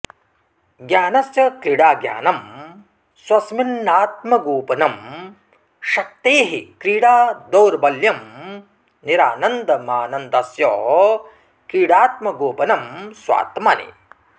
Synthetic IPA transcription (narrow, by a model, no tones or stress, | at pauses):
ɡjaːnɐsjɐkɾiːɽaːɡja̰ːnɐm | swɐsminːaːt̪̚mɐɡoːpɐnɐm | ʃɐk̚t̪eːɦikɾiːɽaːd̪owɾbɐljɐm | niɾaːnɐnd̪ɐmaːnɐnd̪ɐsjɔ | kɾiːɽaːt̪̚mɐɡoːpɐnɐmswa̰ːt̪ɐmɐnḛ